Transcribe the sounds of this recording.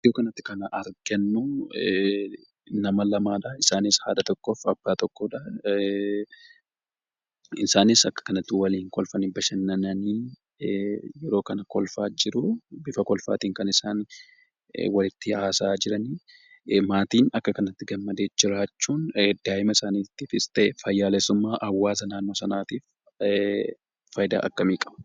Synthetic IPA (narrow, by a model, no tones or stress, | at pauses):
joːkɐnɐt̪ːɪ̥kɐnɐʔɐɾɡɐnːu | nɐmɐlɐmaːᶑɐɪsaːnɪshaːd̪ɐt̪ɔkːoːfɐbːaːt̪ɔkːoːᶑɐ | ɪsaːnɪsɐkːɐ̥kɐnɐt̪ːɪwɐliːŋkɔlfɐnibɐʃɐnːɐnɐniː | jɛɾo̞ːkɐnɐkɔlfaːd͡ʒɪɾʊbɪfɐkɔlfa̰ːt̪iːŋkɐnɪsaːn | wɐlɪt̪ːɪaːsaːd͡ʒɪɾɐni | maːt̪iːnɐkːɐkɐnɐt̪ːɪɡɐmːɐd̪e̞ːd͡ʒɪɾaːt͡ʃːuːnd̪̥aːjɪmɐɪsaːniːt̪ːifɪst̪ʼeːfɐjːaːlɛsʊmːaːʔɐwːaːs̬ɐnaːnːo̞ːsɐnaːt̪iːf | fɐjd̪a̰ʔɐkːɐmiːkʼɐb̥ɐ̥